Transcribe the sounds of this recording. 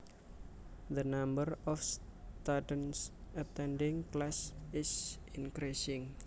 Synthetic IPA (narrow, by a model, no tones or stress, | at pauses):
ðənambəɾɔfst̪adənsət̪ɛnɖɪŋklasɪsinkɾisɪŋ